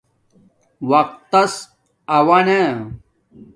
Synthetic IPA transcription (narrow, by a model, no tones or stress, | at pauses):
wɐq̚t̪ːɐs | ɐwɐne